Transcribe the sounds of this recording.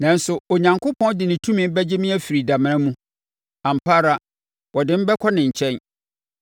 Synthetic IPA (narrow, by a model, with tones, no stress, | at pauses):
nã˨n̩˦sʊ˨o˨ɲã˨ŋkʰʊ˦pʰɔ̃˦ndɪ˨nɪ̃˨tʰũ˦mɪ̃˨m˦bɛ˦d͡ʑe˦mĩ˦æ˦fi˨ɾi˨da˨mɪ̃˦ã˦mũ˦ | ã˨m̩˨pʰa˦ɾa˨ | wɔ˨dɪ̃˦m̩˦bɛ˦kʷʰɔ˦nɪ̃˨ɲ̩˨t͡ɕʰɛ̃˦n